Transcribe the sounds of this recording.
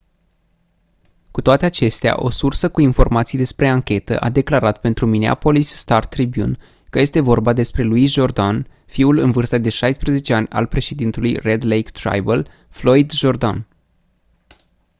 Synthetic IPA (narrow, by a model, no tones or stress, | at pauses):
kut̪oat̪e̞at͡ʃe̞st̪ea̰ʔo̞̰sursəkuinfo̞rmat̪sijd̪e̞spɾe̞aŋkʲe̞t̪ə̰ʔa̰d̪e̞klaɾat̪pe̞nt̪ɾuminea̰po̞lisːt̪art̪ɾibjṵn | kəje̞st̪e̞vo̞rbad̪e̞spɾe̞luisʒo̞rd̪an | fiulɨnvɨrst̪əd̪e̞ʃajspɾəze̞t͡ʃe̞anʲa̰lpɾe̞ʃe̞d̪int̪ulujre̞d̪lejkt̪ɾa̰jbəl | flo̞id̪ʒo̞rd̪a̰n